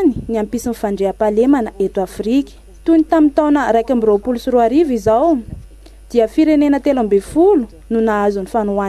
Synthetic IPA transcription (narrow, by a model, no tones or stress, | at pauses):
ni̥niampisinifaɳɖ͡ʐeapalemanəet̪uafrikʲə̥ | t̪unit̪amit̪awnəɾajkʲambiɾopulusuɾuaɾivizaw | d̪̥iəfiɾenenət̪elambefulu | nunaazunifanuan